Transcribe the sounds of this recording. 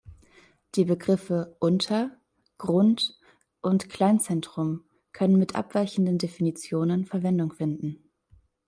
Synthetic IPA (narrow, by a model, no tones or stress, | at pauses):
d̥iːbəɡʁɪfəʔʊntʰɐ | ɡ̥ʁʊnt | ʔʊntkl̥aɪnt͡sɛntʁ̥ʊm | kʰœnənmɪtʔa̰pv̥aɪçn̩dəndefinit͡sjoːnənfɛɐvɛndʊŋfɪndn̩